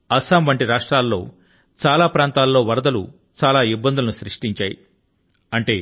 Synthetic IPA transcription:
ɐsaːmʋɐɳʈiɾaːʂʈɾaːlːo̞̰ː | t͡ʃaːlaːpɾaːnt̪aːlːo̞ːʋɐɾɐd̪ɐlṵ | t͡ʃaːlaːibːɐnd̪ulɐnuʃɾiʂʈiɲt͡ʃaːjḭ | ɐɳʈe̞ː

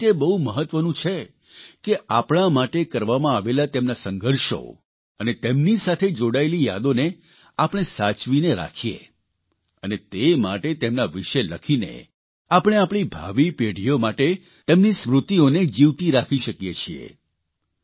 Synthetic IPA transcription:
t̪ebəɦuməɦət̪ʋənũt͡ʃʰe | keʔapɽ̃amaʈekəɾʋamãaʋelat̪emnasəŋɡʱəɾʃo̰ | ənet̪emnisat̪ʰed͡ʒoɽaelija̰d̪one | apəɽ̃esat͡ʃʋineɾa̰kʰijḛ | ənet̪ema̰ʈet̪emnaʋiʃeləkʰinḛ | apəɽ̃eapɽ̃ibʱa̰ʋipeɽ̤ijomaʈe | t̪emnismɾut̪ioned͡ʒiʋt̪iɾakʰiʃəkjet͡ʃʰiḛ

